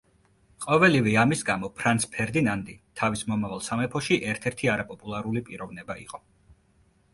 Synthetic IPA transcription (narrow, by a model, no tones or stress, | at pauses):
qʼɔvɛlivɛamisɡamɔpʰɾant̪sʰpʰɛɾd̪inand̪it̪ʰavismɔmavalˠsamɛpʰɔʃiʔɛɾt̪ʰɛɾt̪ʰiaɾapʼɔpʼulˠaɾulipʼiɾɔvnɛbaḭqʼɔ